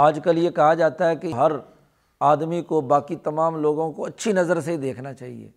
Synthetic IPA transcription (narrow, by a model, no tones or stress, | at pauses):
aːd͡ʒkɐljekɐɦad͡ʒaːt̪aɦɛkeɦɐɾ | aːd̪mikobaːkit̪ɐmaːmloːɡõkoɐtːʃʰinɐzəɾseid̪eːkʰnat͡ʃaːɦḭḛː